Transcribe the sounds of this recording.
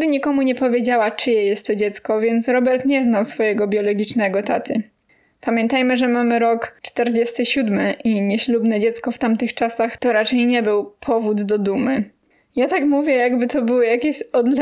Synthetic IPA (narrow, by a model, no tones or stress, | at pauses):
d̪ɘɲikɔmuɲɛpɔvʲjed͡ʑawat͡ʂɘjɛjɛst̪ːɔd͡ʑɛt̪skɔvʲjɛnt̪sɾɔbɛɾt̪ɲɛznawsfɔjɛɡɔbʲjɔlɔɡʲit͡ʂnɛɡɔt̪at̪ʰɘ | pamʲjɛnt̪ajmɘʐɛmamɘɾɔkt͡ʂt̪ɛɾd͡ʑɛst̪ɘɕud̪mɘʔiɲeɕlubnɛd͡ʑɛt̪skɔft̪amt̪ɘxt͡ʂasaxt̪ɔɾat͡ʂɛjɲɛbɘwpʰɔvud̪ːɔd̪umɘ | jat̪akmuvʲjɛjaɡbɘt̪ɔbɘwɘjakʲeɕɔd̪l